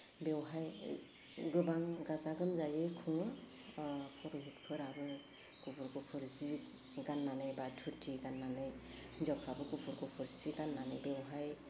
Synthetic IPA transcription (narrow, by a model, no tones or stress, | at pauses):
bewɦaj | ɡɯbaŋɡazaɡɯmzajɯkʰuŋɯ | pʰɔɾuɦit̚pʰɯɾabɯ | kupʰuɾɡɔpʰɯɾzi | ɡanːanɯjbatʰutʰiɡanːanɯj | d͡ʒɔkʰabɯɡupʰuɾɡɔpʰɯɾziɡanːanɯjbewɦaj